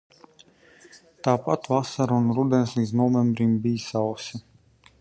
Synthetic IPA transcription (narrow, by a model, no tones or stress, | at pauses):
t̪aːpat̪vasaɾunɾud̪ɛnslˠid̪znɔvɛmbɾimbijsawsʲi